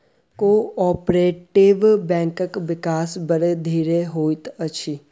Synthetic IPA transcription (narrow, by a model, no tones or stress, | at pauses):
koːɔːpɾeːʈɪʋbɛ̃ːŋkəkʋɪkaːsbɐɾed̪ʱiːɾeɦoːit̪ɐt͡ʃʰi